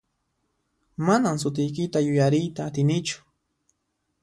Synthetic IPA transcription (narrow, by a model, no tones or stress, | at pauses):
manamsʊt̪̬ɪjk̬ɪt̪ajʊjaɾɪjt̪aːt̪ɪnɪt͡ʃʊ̥